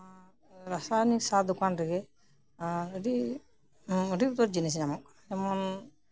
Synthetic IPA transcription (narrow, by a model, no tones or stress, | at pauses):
ɾasanisad̪ɔkanɾɛɡɛ | əɖi | əɾiut̪ɔɾd͡ʒinis̬namɔk̚ | ɛmɔn